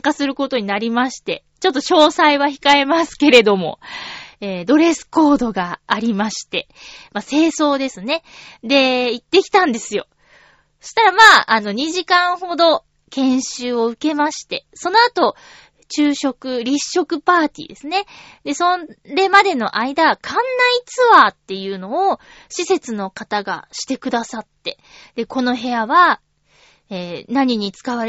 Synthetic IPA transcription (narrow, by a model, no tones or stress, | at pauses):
kasɨɾɯ̟ko̞t̪o̞ɲ̟inaɾʲimaɕi̥t̪e̞ | t͡ɕo̞t̪ːo̞ɕo̞ːsaiβaçi̥kae̞masɨ̥ke̞ɾe̞d̪o̞mo̞̰eːd̪o̞ɾe̞sɨ̥ko̞ːd̪o̞ɡaːɾʲimaɕi̥t̪e̞ | mase̞ːso̞ːd̪e̞sɨne̞d̪e̞it̪ːe̞kʲi̥t̪ãnd̪e̞sɨjo̞ | so̥ɕi̥t̪aɾamaːʔano̞ɲ̟iʑikãɰ̃ho̞d̪o̞ | kẽ̞ɰ̃ɕɨːo̞ɯ̟ke̞maɕi̥t̪e̞so̞no̞at̪o̞ | t͡ɕɨːɕo̞kɯ̟ɾʲiɕːo̞kɯ̟paːt̪ʲḭːd̪e̞sɨne̞ | d̪e̞so̞ɾe̞mad̪e̞no̞̰ʔaid̪aβakʰãnːait͡sɨβat̪ːe̞jɯ̟ːno̞ː | ɕise̞t͡sɨno̞kat̪aɡa̰ɕi̥t̪e̞kɯ̟d̪asat̪ːe̞ | d̪̥e̞ko̞no̞ɦe̞aβa | eːnaɲ̟iɲ̟it͡sɨ̥kaβaɾ